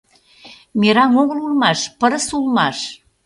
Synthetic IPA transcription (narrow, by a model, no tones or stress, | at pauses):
meɾɑŋoɣəlulˠmɑʃpəɾəsulmɑʃ